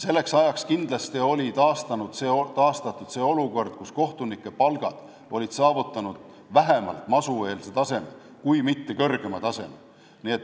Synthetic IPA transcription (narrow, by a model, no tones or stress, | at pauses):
se̞lːe̞ksɑjɑkskind̪̥lɑst̪io̞lʲit̪ɑːst̪ɑnud̪̥seːot̪ɑːst̪ɑt̪ːˑud̪̥se̞ːo̞luko̞rd̪̥̚kusko̞ht̪unikːˑe̞pɑlɡ̥ɑ̰d̪̥ | o̞lʲid̪̥sɑːvut̪ˑːɑnud̪̥ | væɦe̞mɑ̰lt̪mɑsue̞ːlset̪ɑse̞me | kujmit̪ːe̞kɤrɡ̥e̞mɑt̪ɑse̞me | niet̪ː